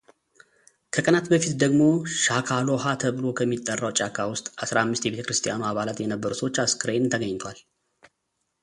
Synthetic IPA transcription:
kʰəkʼənat̪bəfit̪d̪əɡmo̞ʃakʰalo̞hat̪ʰəβɨlo̞kʰəmːit̪ʼːərːawt͡ʃʼakʰːawʊst̪ʼasɾamːɨst̪jɛβe̞t̪ʰəkɾɨst̪ʼijanuaβalat̪jɛnəbːəɾsəwo̞t͡ʃːaskʰɨɾent̪ʰəɡəɲːt̪ʰwal

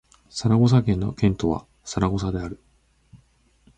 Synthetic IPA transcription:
saɾaɡos̬akẽnːo̞̰kẽ̞nt̪o̞βa̰ | saɾaɡo̞s̬ad̪e̞aɾɯ̟

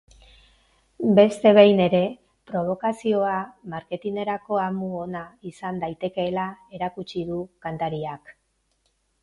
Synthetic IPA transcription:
be̞st̪e̞β̞ejne̞ɾe̞ | pɾo̞β̞o̞kasio̞amaɾke̞t̪ine̞ɾako̞amuonaisand̪ajt̪e̞ke̞ːlae̞ɾakut͡ʃiðukant̪aɾiak

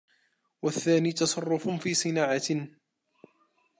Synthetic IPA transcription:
waθːaːniːt̪ɑsˤɑrˤːʊffiːsˤɨnaːʕa

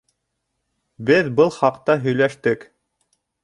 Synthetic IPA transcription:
bɘðbɤlˠχɑqt̪ɑɦɵ̆jlæʃt̪ɘk

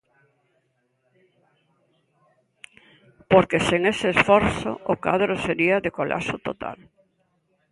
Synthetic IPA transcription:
poɾkeseŋeseːsfɔɾθo̰oka̰ðɾoseɾiaðekolʔa̰sot̪ot̪ʰa̰l

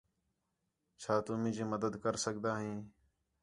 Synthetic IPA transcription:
t͡ʃʰaːt̪ʊmĩːd͡ʒĩːməd̪əd̪kəɾsəɡd̪aːɦĩː

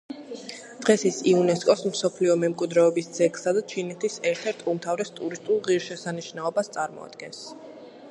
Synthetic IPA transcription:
d̪̥ʁɛsisiunɛskʼɔsmsɔpʰliɔmɛmkʼwid̪ɾɛɔbisd̪z̥ʰɛksad̪at͡ʃʰinɛt̪ʰisɛɾt̪ʰɛɾt̪ʰumt̪ʰavɾɛst̪ʼuɾist̪ʼulˠʁiɾʃɛsaniʃnaɔbast̪sʼaɾmɔ̰a̰d̪̥̚ɡɛns

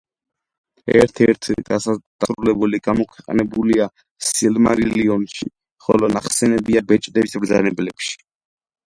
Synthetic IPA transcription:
ɛ̰ɾt̪ʰɛɾt̪ʰɡasad̪̥aɾulɛbuliɡ̥amɔkʰwɛqʼnɛbulia | silmaɾiliɔnʃi | χɔlɔnaχsɛnɛbiabɛt͡ʃʼd̪ɛbismvɾd̪zanɛblɛpʃi̥

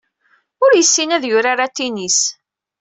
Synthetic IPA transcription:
ʊɾjəsːinæðjʊɾaɾat̪ːinis

